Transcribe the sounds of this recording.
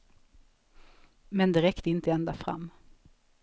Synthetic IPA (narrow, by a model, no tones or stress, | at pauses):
mɛnd̪ɛɾɛkt̪əɪnt̪əɛnd̪afɾa̰mː